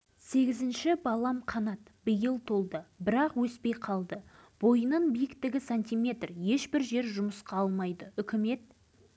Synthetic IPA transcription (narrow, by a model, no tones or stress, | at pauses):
se̞ɡʲɪzɪnʃɪbɑlˠɑmqʰɑnɑt̪bəjəlˠt̪ʰo̞lˠd̪əbɪɾɑqwɵspe̞jqʰɑlˠd̪əb̥o̞jənɑnbijɪkt̪ɪɡʲɪsanʲt̪ʲijmʲe̞t̪rje̞ʃbɪɾʒe̞ɾʒʊməsqɑɑlˠmɑjd̪əʏkʲɪme̞t̪̚